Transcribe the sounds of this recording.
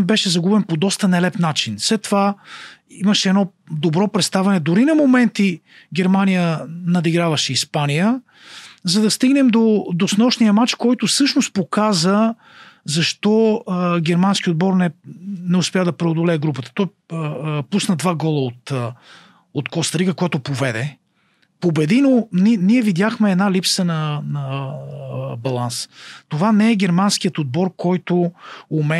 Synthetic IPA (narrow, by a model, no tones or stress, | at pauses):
bɛʃɛzɐɡubɛnpod̪ɔst̪ənɛlɛpnat͡ʃinslɛt̪ːova | imɐʃɛːd̪ɔd̪obɾɔpɾɛt̪st̪avɛnɛd̪ʊɾinɐmomɛnt̪i | ɡʲɛɾmanijənɐd̪iɡɾavɐʃɛispanijə | zɐd̪ɐst̪iɡnɛmd̪od̪osnɔʃnijəmat͡ʃkɔjt̪ʊfsɤʃnost̪̚pokazə | zɐʃt̪ɔɡʲɛɾmansk̟ʲiod̪̚bɔɾnɛnɛʊspʲjad̪ɐpɾɛod̪olɛɛɡɾupət̪ə̥t̪ɔj | pusnəd̪vaɡɔlˠəot̪ | ot̪kɔst̪ɾiɡəkojat̪ʊpovɛd̪ɛ | pobɛd̪inoniniɛvid̪jaxmɛːd̪nalipsənɐnə | bɐlˠanst̪ovanɛɛɡɛɾmansk̟ijət̪od̪̚bɔɾkɔjt̪oːmɛ